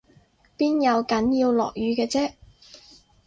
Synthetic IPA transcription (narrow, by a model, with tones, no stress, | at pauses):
piː˥njɐ˨˧wkɐ˨˥njiː˧wlɔ̰ː˨˩k̚jyː˨˧kɛː˧t͡sɛː˥